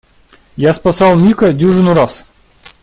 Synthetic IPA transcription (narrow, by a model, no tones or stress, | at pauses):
jaspɐsɑlˠmʲikədʲuʐɨnuɾas